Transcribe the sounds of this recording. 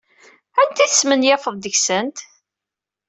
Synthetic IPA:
ænt̪iθəsmənjæfəðˤd̪əçsənt̪

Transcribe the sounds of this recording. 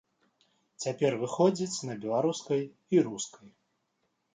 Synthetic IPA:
t͡sʲapʲɛrvɨxɔd͡zʲit͡sʲnɐbʲɛlˠaɾuskɐj | iɾuskɐj

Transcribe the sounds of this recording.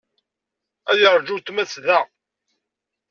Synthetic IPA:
æjəɾˤd͡ʒut̪mæt͡sðæ

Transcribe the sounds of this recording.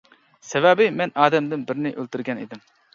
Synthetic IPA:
sɛvɛbɪmɛnɑːd̪ɛmd̪ɪnbɪɾnɪʔølt̪yɾɡʲɛnḭd̪ɪm

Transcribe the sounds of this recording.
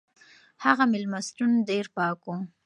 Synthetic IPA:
haɣamɪlmasʈunɖeɾpɑku

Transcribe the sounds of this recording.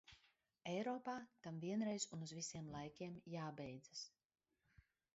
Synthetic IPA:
ɛjɾɔːpaːt̪amviɛnɾɛjzunuzvisiɛmlˠajkʲiɛmjaːbɛjd̪zas

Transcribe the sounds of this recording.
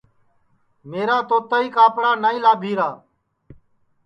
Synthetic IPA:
meːɾaːt̪oːt̪əiːkaːpɽaːnaːĩːlaːbʱiːɾaː

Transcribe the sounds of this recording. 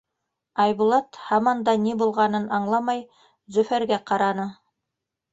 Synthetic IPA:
ɑjβulˠɑt̪hɑmɑnd̪ɑnibulˠʁɑnɤnʔɑɴlˠɑmɑj | zɵ̆fæɾɡæqɑɾɑnɤ

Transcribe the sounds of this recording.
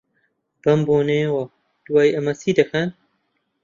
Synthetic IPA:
b̥ɐmboːnewɐ | d̪̥uwaːjʔɐmɐsiːd̪ɐxʰɐn

